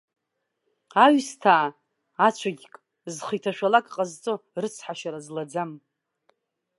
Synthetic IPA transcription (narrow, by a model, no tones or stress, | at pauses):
aɥstʰaː | at͡ʃʷʰaɡʲkʼ | zχɨjtʰaʃᶣalakʼqʼazt͡sʼorɨt͡sʰħaʃaɾazlad͡zam